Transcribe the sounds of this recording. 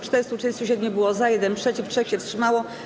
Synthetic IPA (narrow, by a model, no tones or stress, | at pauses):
t͡ʂt̪ɛɾst̪uɛst̪uɕ̬ɛd̪ɲɛbɘwɔzajɛd̪ɛnpʂɛt͡ɕiftʂɛxɕɛfstʂɘmawɔ